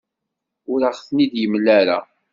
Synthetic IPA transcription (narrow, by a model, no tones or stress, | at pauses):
ʊɾaχθnid̪jəmlːæɾa̰